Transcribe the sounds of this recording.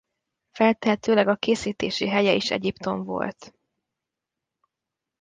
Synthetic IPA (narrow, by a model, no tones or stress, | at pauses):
fɛlt̪ɛɦɛt̪øːlɛɡɒkeːsiːt̪eːʃiɦɛjɛiʃɛ̰ɟipt̪o̞ɱvo̞̰lt̪